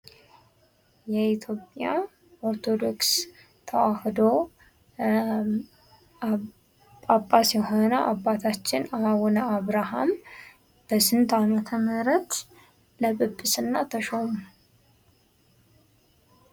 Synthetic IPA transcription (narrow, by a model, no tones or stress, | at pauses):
jɛit̪ʰjo̞pʼja | oɾt̪ʰod̪o̞ks | t̪ʰəwahd̪o | apʼːasjɛho̞nəʔabːat̪ʰat͡ʃːɪnawɔnəaβɾaha̰m | b̥əsɨnt̪ʰamət̪ʰəməɾət̪ | ləβɨbːɨsɨnːat̪ʰəʃomu